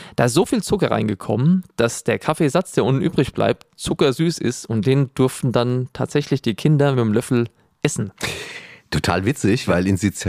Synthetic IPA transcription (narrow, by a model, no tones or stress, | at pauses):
d̥aːɪstz̥oːfiːlt͡sʊkɐʁa̰ɪnɡəkʰɔ̰mənd̥asd̥eːɐkʰafeːzat͡sd̥eːɐʔʊntn̩ʔyːbʁɪçb̥lʔa̰ɪp̚t̚t͡sʊkɐzyːsɪ̰stʊnt̚d̥eːnd̥ʏɐftn̩dantʰa̰ːtz̥ɛçlɪçd̥iːkʰɪndɐmɪmlœfl̩ | ʔɛsn̩ | tʰotʰa̰ːlvɪt͡sɪçv̥aɪlɪnzit͡s